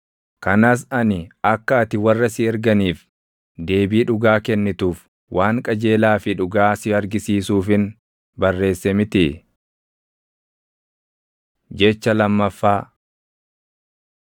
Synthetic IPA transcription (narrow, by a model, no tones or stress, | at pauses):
kɐnaːs̬ɐnɪɐkːɐːt̪ɪwɐrːɐsɪɛɾɡɐniːf | d̪e̞ːbiːᶑʊɡaːkɛnːɪt̪uːf | wʔaːŋkʼɐd͡ʒe̞ːlaːfɪᶑʊɡaːsɪɐɾɡɪsiːsuːfɪn | bɐrːe̞ːsːɛmɪt̪ɪ | d͡ʒɛt͡ʃːɐlɐmːɐfːaː